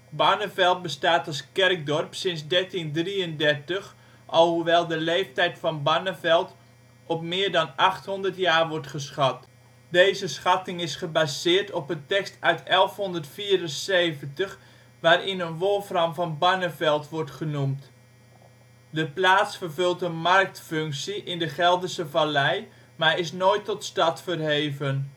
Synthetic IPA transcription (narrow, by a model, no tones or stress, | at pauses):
banəvɛlˠt̚bəstaːtɑlˠskɛrk̚dɔrpsɪnsdɛrtindriəndɛrtəx | ʔɔlˠhuʋɛlˠdəleːftɛjtfɑnbanəfɛlˠt | ɔp̚mɪːɹdɑnɑχthɔndərtjaːrʋɔrtχəsχɑt | deːzəsχɑtɪŋɪsχəbaːzɪːrtɔpəntɛkstœɥtɛlˠfhɔndərtfiːɾənseːvəntəx | ʋaːrɪnənʋolˠfrɑmfɑnbanəfɛlˠtʋɔrtχənumt | dəplaːtsfərvɵlˠtənmɑrk̚tføŋksiʔɪndəχɛlˠdəsəvalɛj | maːɹɪsnoːjtːɔtstɑtfərɦeːvən